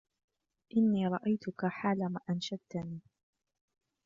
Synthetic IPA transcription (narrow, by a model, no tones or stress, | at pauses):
ʔɪnːiːɾˤɑʔajt̪ʊkaħaːlamaːʔanʃad̪̚t̪aniː